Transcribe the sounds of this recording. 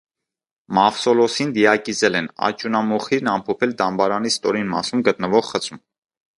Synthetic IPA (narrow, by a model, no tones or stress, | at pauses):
mɑfsɔlɔsind̪ijɑkizɛlɛnɑ̰t͡ʃunɑmɔχiɾnɑmpʰɔpʰɛld̪ɑmbɑɾɑnist̪ɔɾinmɑ̰sumɡət̪̚nəvɔʁχət͡sʰum